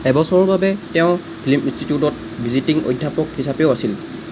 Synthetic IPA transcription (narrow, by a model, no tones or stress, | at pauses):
ɛbɔsɔɹɔɹbabɛtɛʊ̃ | pʰiliminstitiutɔt̚ | bʱizitiŋo̰jdʱːapɔkhisapɛʊasil